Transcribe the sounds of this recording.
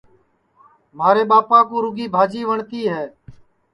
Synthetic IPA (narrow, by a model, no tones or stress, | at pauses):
maːɾeːɓaːpãːkũːɾʊɡiːbʱaːd͡ʒiːʋəɳt̪iːɦɛː